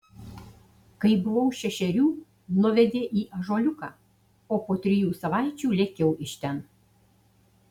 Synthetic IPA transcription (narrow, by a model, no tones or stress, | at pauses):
kɐɪbʊʋɐʊʃʲɛʃʲɛɾʲuː | nʊʋʲɛd̪ʲeːʔiːʔɐʒoːlʲʊkɑː | oːpoːt̪ʲɾʲɪjuːsɐʋɑˑɪt͡ʃʲuːlʲeːkʲɛʊʔɪʃʲt̪ʲɛn